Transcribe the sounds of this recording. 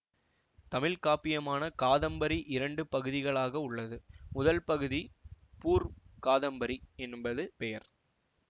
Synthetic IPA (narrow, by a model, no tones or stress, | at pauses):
t̪ɐmɪlkaːpɪjɐmaːnɐkaːðɐmbɐɾiʔɪɾɐɳɖɯpɐɣɯðɪɣɐɭaːɣɐʊɭːɐðɯmʊðɐlpɐɣɯði | puːɾkaːðɐmbɐɾiɛnbɐðɯpɛjɐɾ